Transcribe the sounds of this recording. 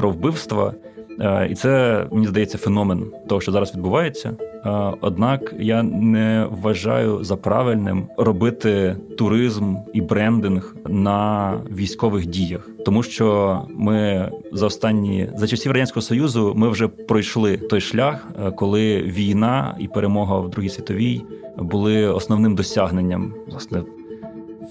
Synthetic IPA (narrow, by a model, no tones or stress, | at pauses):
pɾɔwbɪwst̪ʋɐ̰ | ḭt̪sɛmenʲizd̪ɐjɛt͡sʲːɐfenɔment̪ɔɦɔʃt͡ʃɔzɑɾɐsʋʲid̪̚bʊʋɑjet͡sʲːɐ | ɔ̰d̪nɑkjanɛʋɐʒɑ̰jʊzɐpɾɑ̰ʋɪlʲnɪ̰mrɔbɪt̪ɪt̪ʊɾɪzmibɾɛnd̪ɪnɣ | nɐʋʲijsʲkɔʋɪxdʲijɐxt̪ɔmuʃt͡ʃɔmɪzɐɔst̪ɑnʲːḭzɐt͡ʃɐsʲiʋrɐdʲanʲsʲkɔɦɔsɔjuzʊmɪwʒɛpɾɔjʃlˠɪt̪ɔjʃlʲaxkɔlˠɪʋʲijnɑḭpeɾemɔɦɐwd̪ɾuɦijsʲʋʲit̪ɔʋʲijbʊlˠɪɔsnɔwnɪmd̪ɔsʲaɦnenʲːɐmlˠɑsnɛ